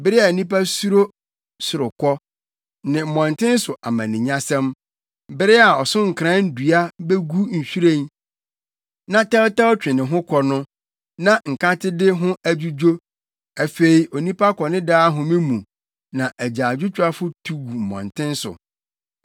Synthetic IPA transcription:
bɪ˦ɾɪ˦a˨nĩ˦pa˦su˦ɾo˦ | sʊ˨ɾʊ˨kʰɔ˦ | nɪ̃˨m̩˨mɔ̃˨ntɪ̃˦n̩˦sʊ˨ʔa˨mã˨nɪ̃˨ɲã˦sɛ̃˦m | bɪ˦ɾɪ˦a˨ɔ˨sʊ̃˦ŋ̩˨kʰɾã˦n̩˦du˨a˦be˦ɡu˦ɲ̩˨ɕᶣi˦ɾẽ˦n | nã˦tɛ˦ltɛ˦wt͡ɕᶣɪ̃˨nɪ̃˨ɦʊ̃˦kʰɔ˦nʊ̃˦ | nã˦ŋ̩˨kã˦tʰɪ˦dɪ˦ɦʊ̃˦æ˨d͡ʑu˦d͡ʑo˦ | æ˨fe˨i˨ʔo˨nĩ˦pʰa˦kʰɔ˨nɪ̃˦daː˦ɦʊ̃˨mɪ̃˦mũ˨ | nã˨ʔæ˨d͡ʑaː˨d͡ʑᶣʊ˦t͡ɕᶣa˦fʊ˦tʰu˨wu˨m̩˨mɔ̰̃˨ntʰɪ̃˦n˦sʊ̰˨

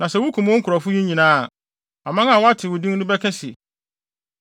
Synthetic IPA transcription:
nã˨sɛ˨wʊ˦kʰũ˨m̃˦ŋ̩˦kʰʊ˨ɾɔ˨fʊ˦ji˦ɲĩ˨nãː˦˨ | a˨mã˦ŋa˨wɔ˦a˦tʰɪ˨wʊ˨dĩ˦ŋ˦nʊ̃˦bɛ˦kʰɛ̃˦si˨

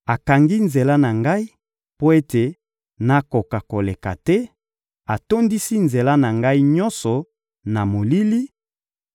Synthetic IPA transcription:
a˨ka˨ŋɡi˦nze˨la˦na˨ŋɡa˦i˦ | po˦e˦te˨ | na˨ko˨ka˨ko˨le˨ka̰˨tɛ˦ | a˨to˦ndi˦si˦nze˨la˦na˨ŋɡa˦i˦ɲɔ˦nsɔ˨ | na˨mo˨li˦li˦

